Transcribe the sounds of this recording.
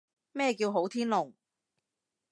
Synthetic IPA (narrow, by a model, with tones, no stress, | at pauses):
mɛː˥˧kiː˧wɦo˨˥wt̪ʰiː˥nlʊ˨˩ŋ